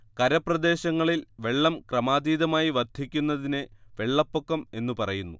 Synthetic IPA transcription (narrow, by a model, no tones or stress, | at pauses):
kɐɾɐprɐd̪e̞ːɕɐŋːɐɭilʋe̞ɭːɐmkrɐmaːd̪iːðɐmaːjiʋɐrd̪ʱikʲːunːɐðineʋe̞ɭːɐpːo̞kːɐme̞nːupɐrɐjunːu